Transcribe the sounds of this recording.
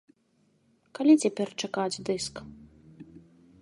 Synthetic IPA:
kalʲit͡sʲapʲɛrt͡ʂakad͡zʲd̪ɨsk

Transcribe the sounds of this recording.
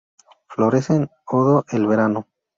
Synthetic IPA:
flo̞ɾesenoðoʔelβeɾano

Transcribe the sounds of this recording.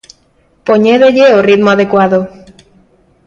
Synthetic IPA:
poɲeðeʎeorit̪moaðekwaðo

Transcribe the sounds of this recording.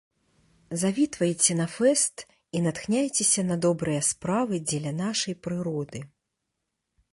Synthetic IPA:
zavʲit̪vɐjt͡sʲɛnɐfɛst̪ | inat̪xnʲajt͡sʲesʲɐnɐd̪ɔbɾɨjɐspɾavɨd͡zʲɛlʲɐnaʂɐjpɾɨɾɔd̪ɨ

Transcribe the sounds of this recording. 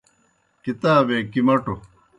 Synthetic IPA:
kit̪aːbeːkimɐʈu

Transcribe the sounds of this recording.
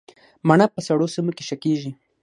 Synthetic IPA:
manapəsaɽosimokeʃakeʒi

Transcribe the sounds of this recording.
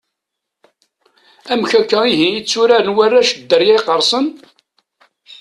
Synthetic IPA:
æmçækːæiɦiit͡sːuɾæɾənwærːæʃəd̪ːəɾjæjqəɾˤsˤən

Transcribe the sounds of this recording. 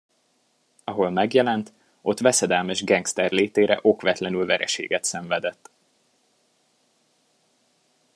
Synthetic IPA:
ɒɦo̞lmɛɡjɛlɛnt̪ | ʔo̞t̪ʋɛsɛd̪ɛlmɛʒɡɛŋkst̪ɛrleːt̪eːɾɛ̰ʔo̞kʋɛt̪lɛnylvɛɾɛ̰ʃḛːɡɛt̪sɛɱvɛd̪ɛt̪ː

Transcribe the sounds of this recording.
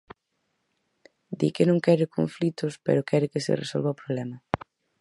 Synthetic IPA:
d̪ikɪnõŋkɛɾɪkoɱflit̪ʊspɛ̰ɾokɛɾɪkesḛresolβawpɾoβlɛmɐ

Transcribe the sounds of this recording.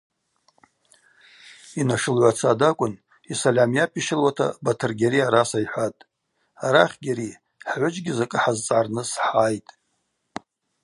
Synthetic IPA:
inaʂɨlʕʷat͡sʰadakʷʼʊn | isalʲamjapʼiʃɪlwatʰa̰batʰɨrɡʲaɾiaɾasajħʷatʼ | aɾaχʲɡʲaɾi | ħʕʷʊt͡ʃʼɡʲɪzakʼɨħazt͡sʼʕarnɨsħaːjtʼ

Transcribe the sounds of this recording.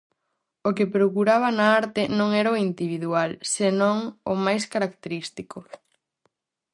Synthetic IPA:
okepɾokuɾaβanaaɾt̪ɪnõŋɛɾaoind̪iβ̞iðualsenõŋomajskaɾakt̪eɾist̪iko

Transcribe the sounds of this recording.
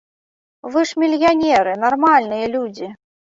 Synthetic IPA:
vɨʂmʲilʲjanʲɛɾɨnarmalʲnɨjɐlʲud͡zʲi

